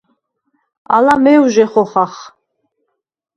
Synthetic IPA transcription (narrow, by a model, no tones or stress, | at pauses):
alamɛwʒɛχɔχaχ